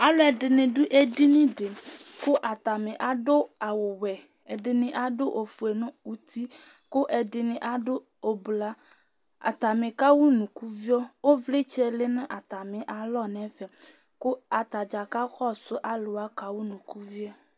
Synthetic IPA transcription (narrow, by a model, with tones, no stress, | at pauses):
a˦lo˦ɛ˨ɖɪ˨nẽ˨ɖu˦ʔe˦ɖi˦nĩ˦ɖe˨ko˦ʔa˨t̪a˨mẽ˨ʔa˨ɖo˦a˨wo˨wɛ˨ | e˨ɖɪ˨nẽ˨ʔa˦ɖo˦ʔo˨fu˨e˨nõ˦u˨t̪i˦ | ko˦ʔe˨ɖɪ˨nẽ˨ʔa˦ɖo˦ | o˨bla˦ | a̰˨t̪a˨mẽ˨ka˦wu˦nũ˨ku˦vi˦ɔ˦wo˦vle˦t͡ʃɛ˦le˦nẽ˦ʔa˨t̪a˨mẽ˨ʔa˨lɔ˦˨nɛ̃˨˦ɸɛ˨ | ko˦a˨t̪a˨d͡ʒa˨ka˦xɔ˦so˦ʔa˦lo˨a˦ka˨wu˦nũ˨ku˦vi˦ɔ˦